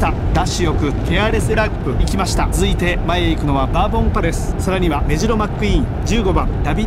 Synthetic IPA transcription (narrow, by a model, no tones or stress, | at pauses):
t̪a | d̪̥aɕijo̞kɯ̟keaɾe̞sɨɾapːɯ̟ikʲimaɕi̥t̪azɨit̪e̞maeikɯ̟no̞βabaːbõ̞koɾe̞sɨ̥saɾaɲ̟iβame̞ʑiɾo̞makːɯ̟ĩɴ | d͡ʑɨːɡo̞bãnd̪abʲi